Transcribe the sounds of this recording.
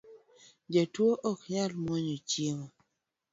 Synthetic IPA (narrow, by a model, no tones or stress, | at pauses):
d͡ʒatwoʔɔkɲalmoɲot͡ʃjemo